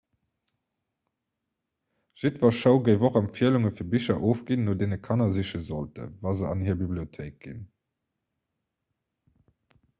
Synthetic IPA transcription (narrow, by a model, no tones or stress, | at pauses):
ʒ̥itvɐʃəʊɡəɪvoχɑmfiəluŋəfiːɐbiʃɐʔoːfɡ̥inːoːdeːnəkʰɑnɐziʃəzoltə̰vɑːzəɑ̰nhiːɐbibliotʰeɪk̚ɡḭn